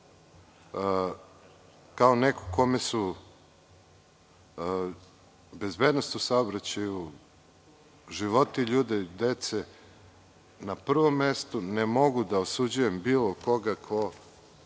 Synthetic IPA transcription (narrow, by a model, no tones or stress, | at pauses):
kaoneko̥ko̞mesu | be̞zbed̪nost̪usaobɾat͡ɕaju | ʒiʋo̞t̪iʎuːd̪ed̪et̪se | napr̩ʋo̞mːe̞st̪unemo̞ɡud̪aosud͡ʑuje̞mbiːlˠoko̞ɡakʰo̞